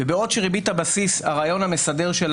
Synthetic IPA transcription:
ebeo̞dʃeʁibit̪habasishaʁaːjo̞nhame̞sade̞ʁʃel

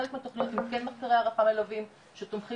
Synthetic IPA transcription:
lekmet̪oχliot̪imkenmaχkaʁeaʁafamelovim | ʃet̪omχi

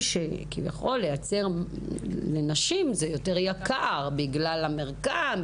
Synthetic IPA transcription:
ʃekivja̰χo̞lːejat͡se̞ʁ | lenaʃimzejo̞teʁjakaʁbiɡlalameʁkam

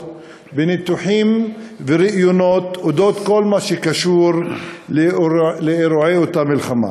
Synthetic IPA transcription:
benit̪uħimveɾiʔjonot̪od̪ot̪ko̞lmaʃekaʃuɾleleeɾoʕejot̪amilχama̰

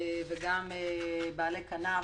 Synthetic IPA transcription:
vɪɡamebalekɐna

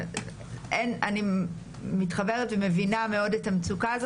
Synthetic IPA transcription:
ʔenani | mitχabe̞ʁetveme̞viname̞o̞detamt͡sukaːzo

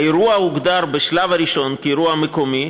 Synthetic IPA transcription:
eɾuauɡd̪aɾbeʃlavaɾiʃo̞nkiɾuaamekomi

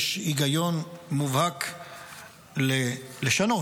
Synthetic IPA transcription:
ʃiɡajonmuvhak | leleʃano

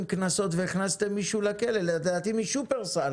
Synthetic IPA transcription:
mknaso̞t̪veiχnast̪emːiʃulakeleled̪aːt̪imiʃupeʁsal

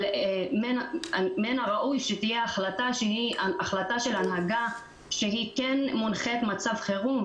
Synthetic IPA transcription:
menmenaʁaʔujʃet̪ijeaχlat̪aʃehiaaχlat̪aʃelanɦaɡa | ʃeɦikenmunχet̪mat͡savχe̞ʁum

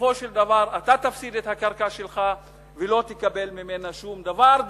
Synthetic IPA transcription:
fo̞ʃeld̪avaʁat̪at̪afsid̪et̪hakaʁkaʃelχa | velo̞t̪ekabe̞lmime̞naʃumd̪avaʁ

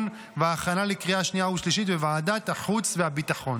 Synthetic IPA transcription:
n | veaːχanalekʁiaaʃniahuʃliʃit̪vevaːdat̪haħut͡sveabit̪aχo̞n

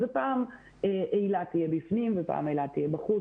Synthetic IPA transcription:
zepaːm | eʔejlatijebifnimvepa̰ːmejlat̪ijebaχu

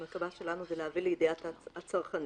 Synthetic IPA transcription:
makabaʃelanuzeleavileid̪iat̪at͡saʁχan

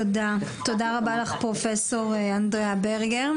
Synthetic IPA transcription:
odat̪o̞daʁabalaχpʁofeso̞ʁandʁeabeʁɡeʁ

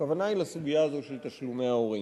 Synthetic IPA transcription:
kavanailasuɡijaːzo̞ʃelt̪aʃlume̞ao̞ʁi

